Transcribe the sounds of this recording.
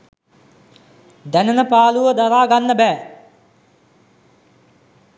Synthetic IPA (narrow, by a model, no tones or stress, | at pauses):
d̪ænənəpaːluʋəd̪aɾaːɡanːəbæː